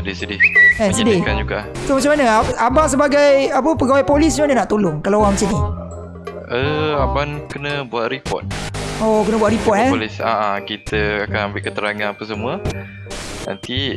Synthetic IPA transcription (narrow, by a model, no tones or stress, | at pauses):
sədesədɪhkansədɪkand͡ʒuɡa̰ʔsomat͡ʃamanəaabaʔs̬əbaɡajap̬əpəɡawajpolis̬d͡ʒuadənaʔt̪olʊŋkalawaŋmsini | əabankənəbuat̪̚ɾipɔ̰t̪̚okənəbuwat̪ɾipɔt̪̚ɦɛlisaʔakit̪əakanambɪʔkət̪əɾaŋanapəs̬əmuə | na̰nt̪i